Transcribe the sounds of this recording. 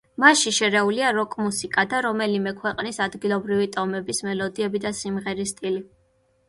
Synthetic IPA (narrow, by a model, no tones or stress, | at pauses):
maʃiʃɛɾɛuliaɾɔkʼmusikʼad̪aɾɔmɛlimɛkʰwɛqʼnisad̪ɡilˠɔbɾivit̪ʼɔmɛbismɛlɔd̪iɛbid̪asimʁɛɾist̪ʼili